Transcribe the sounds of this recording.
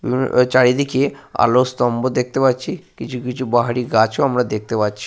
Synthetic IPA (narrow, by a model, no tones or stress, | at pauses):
bḭbn̰t͡ʃaɽid̪ikʰea̰lost̪ɔmbod̪ek̚ʰt̪epatt͡ʃʰikit͡ʃʰukit͡ʃʰubaɦaɽiɡat͡ʃʰoamɽad̪ek̚t̪epatːt͡ʃʰi̥